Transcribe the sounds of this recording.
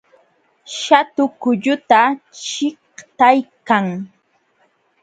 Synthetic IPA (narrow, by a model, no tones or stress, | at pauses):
ʃat̪ʊkʊʎʊt̪at͡ʃɪht̪ajkaŋ